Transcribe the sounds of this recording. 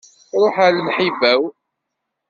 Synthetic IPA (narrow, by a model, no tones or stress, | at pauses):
ɾˤoħalmħivæw